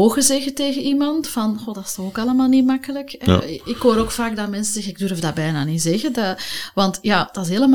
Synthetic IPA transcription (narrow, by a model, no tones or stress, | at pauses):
oːɣəzɛɣəteːɣənimɑntfɑnxodɑstɔxokɑləmaːlˠnimɑkələkɛ̰ɪkɦoːɾoːkfaːɡ̚damɛnsəzɛɣənɪɡ̚dɵrfdaːbɛjnaːnizɛɣədɑʋɑntjaːd̥ɑsɦeːləm